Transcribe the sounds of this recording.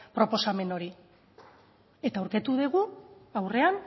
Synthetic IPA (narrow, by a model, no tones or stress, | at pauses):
pɾo̞po̞same̞no̞ɾi | e̞t̪aːwɾke̞t̪uð̞eɣ̞uawre̞an